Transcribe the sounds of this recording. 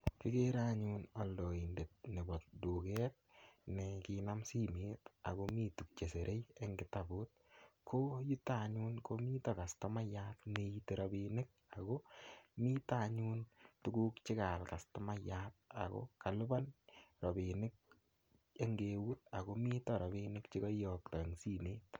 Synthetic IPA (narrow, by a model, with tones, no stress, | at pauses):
kɪ˦ke˦ɾaɲunɔ˨ldɔ˨i˨nde˨t̚nɪ˨bɔ˨t̚duː˨kɛːt̚nɛkinamsi˦mi˦ta̰ɡɔmiːtu˨k̚t͡ʃe˨se˨ɾʔe˦je˦ŋɡɪtabu˦t̚ | kʰoju˦taɲu˦nko˦mi˦ta˨ka˨stɔ˦ma˦jaːtnejite˨ɾɔbinɪk̚a˨ɡo˦mi˦taɲu˦ntu˦ɡu˦kt͡ʃɪ˦ka˨lka˨stɔ˦ma˦jat̚a̰˨kɔ̰˦ka˨lʊ˦ba˦nɾɔ˨bi˨nɪ˦k̚ | e˦ŋɡe˨wu˦t̚a˨ɣo˦mi˦tɔ˦ɾɔ˨bi˦nɪ˦kt͡ʃɪ˦kɔ˦jɔ˨k̚ta˨e˨ŋsi˦neː˦t